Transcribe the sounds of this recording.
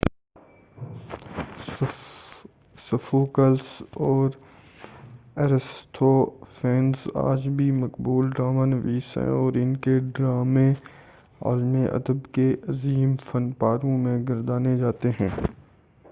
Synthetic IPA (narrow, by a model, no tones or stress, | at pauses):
sʊfoːkəlsɔːɾ | ɛɾɪst̪ʰofɛ̃ːnza̰ːd͡ʒbʱimɐkbuːlɖɾaːmanəʋiːsɦɛ̰̃ɔːɾɪnkeɖɾaːmẽ | a̰ːlmeʔɐ̰d̪əbkeʔɐziːmfɐnpaːɾõmẽɡɐɾd̪aːned͡ʒaːt̪eɦɛ̃ː